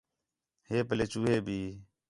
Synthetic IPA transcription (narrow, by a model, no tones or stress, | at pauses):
heːpəleːt͡ʃuːɦeːbʱiː